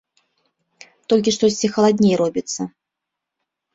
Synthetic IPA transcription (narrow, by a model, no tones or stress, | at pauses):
t̪ɔlʲkʲiʂt̪ɔsʲt͡sʲixɐlˠad̪ʲnʲejɾɔbʲit̪sːɐ